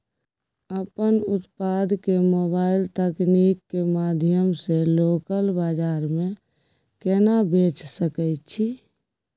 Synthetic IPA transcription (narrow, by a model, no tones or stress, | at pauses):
əpənut̪pad̪kemobailt̪əknikːemad̪ʱjəmselokəlbad͡ʒaɾme | kenabʱet͡ʃsəkɛɪt̪t͡ʃʰi